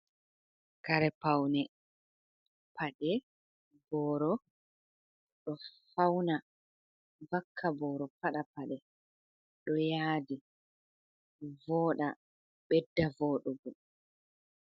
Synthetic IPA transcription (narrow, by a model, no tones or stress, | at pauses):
kaɾɛpawnɛ | pʰaɗɛ | bɔːɾɔ | ɗɔfawna | vakʰːabɔːɾɔpaɗapaɗɛ | ɗɔjaːdi | vɔːɗa | ɓɛdːavɔːɗɔbu